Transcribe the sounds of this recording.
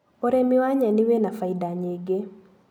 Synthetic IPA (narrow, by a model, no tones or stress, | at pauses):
oɾemɪwaɲanɪwenafaidaɲeɡe